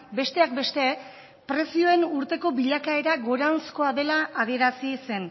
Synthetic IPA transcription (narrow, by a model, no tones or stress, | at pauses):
be̞st̪e̞ak̚be̞st̪e̞ | pɾe̞sio̞e̞nuɾt̪e̞ko̞biʎakae̞ɾaɣo̞ɾawnsko̞aðe̞laːð̞ie̞ɾasise̞n